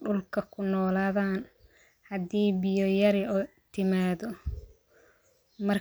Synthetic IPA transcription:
ɖʊlkʰɐkʰʊnɔːlaːðaːn | hɐd̪iːbɪjɔjɐɾɪ | t̪ʰɪmaːðɔ | mɐr

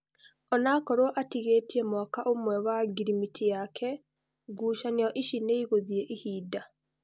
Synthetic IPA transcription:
ɔnakɔɾwɔʔatiɣetiemɔkaʔomwɛwaɡiɾimitʰijakʰɛ | ɡuːʃanijɔʔiʃineiɣoðieʔihiːda

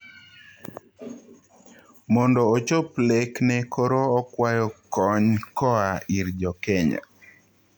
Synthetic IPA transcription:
mɔndɔːt͡ʃopleknɛkʰoɾoɔkwajɔkɔɲkɔaiɾd͡ʒɔkɛɲa̰

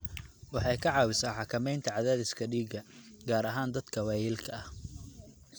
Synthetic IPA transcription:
wɑħɑjkʰɐʕɑːwɪsaːħɑkʰɐmɛjnt̪ʰɐʕɑðaːðɪskʰɐɖiːɡɐɡaːɾɐɦaːnd̪ɐd̪kʰɐwaːjɪlkʰɐɐh

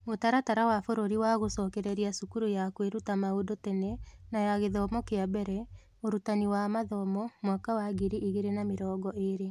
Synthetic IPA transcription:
motaɾataɾawafoɾoɾiwaɣosɔːkɛɾɛɾiasukuɾojakweɾutamaodotɛnɛnajaɣeðɔmɔkeabɛɾɛ | oɾutaniwamaðɔmɔmwakawaɡiɾiʔiɣeɾenameɾɔːɡɔʔeɾe

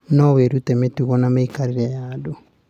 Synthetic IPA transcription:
noβeɾutemetuɣonameikaɾiɾeado

